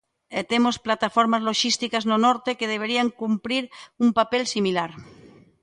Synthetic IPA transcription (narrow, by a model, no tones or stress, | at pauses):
et̪emosplat̪afoɾmazlo̞ʃist̪ikaznonoɾt̪ekeð̞eβ̞e̞ɾiaŋkumpɾiɾumpapelsimilaɾ